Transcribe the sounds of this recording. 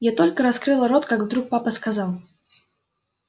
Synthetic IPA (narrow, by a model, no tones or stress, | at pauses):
jat̪o̞lʲkəɾɐskɾɨlˠəɾo̞t̪kaɡvd̪ɾuk̚papəskɐzalˠ